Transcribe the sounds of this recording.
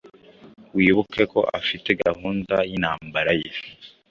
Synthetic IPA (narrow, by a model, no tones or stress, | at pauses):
wiːβukʰeko̞ʔafite̞ɡaɦuːndajinhaːmbaɾaje